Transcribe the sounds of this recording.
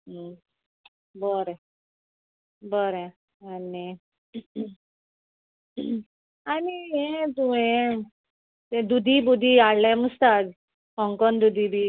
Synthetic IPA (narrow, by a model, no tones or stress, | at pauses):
bəɾ | bəɾẽ | ani | aniɦet̪umẽ | t̪ẽd̪ud̪ʱibud̪ʱiaɽlamust̪ad͡z | ɦɔŋkɔnd̪ud̪ʱibʱi